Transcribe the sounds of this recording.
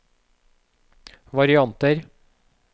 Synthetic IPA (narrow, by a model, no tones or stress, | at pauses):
ʋɑɾɪɑnt̪əɾ